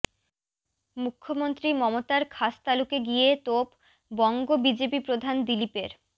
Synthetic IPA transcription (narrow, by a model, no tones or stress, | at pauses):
mukʰːomont̪ɾimɔmot̪aɾkʰast̪alukeɡiet̪op | bɔŋɡobid͡ʑepipɾod̪ʱand̪ilipeɾ